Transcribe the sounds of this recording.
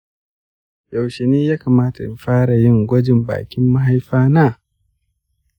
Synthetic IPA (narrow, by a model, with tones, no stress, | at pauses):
ja˨wʃe˨niː˦jaː˦kaː˨maː˦ta˨jɸaː˦ɾa˨jɪ˦ŋɡʷɔ˦d͡ʒɪ˨mba̰ː˨kʲɪ˦mːa˦ɦa˦jɸaː˦naː˦˨